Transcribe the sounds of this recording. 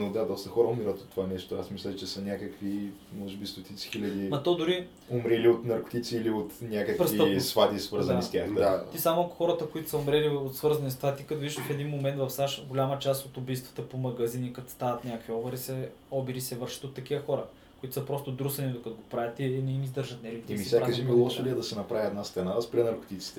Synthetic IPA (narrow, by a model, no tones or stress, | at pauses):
nod̪ad̪ɔst̪əxɔɾəʊmiɾət̪ot̪ːovanɛʃt̪oasmislʲət͡ʃɛsənʲakəkvimɔʒɛbist̪ot̪ʰit̪si̥xilʲɐd̪imɐt̪od̪ʊɾi | omɾiliot̪nɐɾko̥t̪it̪siːliot̪nʲakəkpɾesiəsfat̪isvɤɾzɐnist̪ʲaxd̪aisamoɐkxɔɾət̪əkʊit̪ʊ̥səomɾɛliot̪svɤɾzɐnist̪vat̪ikɐt̪ovid̪iʒd̪əfɛd̪inmomɛnt̪vɐfsaʃɡolʲamət͡ʃast̪ot̪ʊbijst̪vɐ̥t̪əpomɐɡɐzinikɐt̪st̪avɐt̪nʲakviɔvɐɾisɛ | ɔbiɾisɛvɤɾʃə̥t̪ot̪ːɐk̟ivəxɔɾə | oʊit̪ʊ̥səpɾɔst̪od̪ɾusɐnid̪okɐt̪oɡopɾavʲət̪inɛimizd̪ɤɾʒət̪nɛlit̪ɛmissjaaɐʒimilˠɔsoliɛd̪ɐsɛnɐpɾavʲiɛd̪nast̪ɛnaspɾʲɛnɐɾko̥t̪it̪si̥t̪ɛ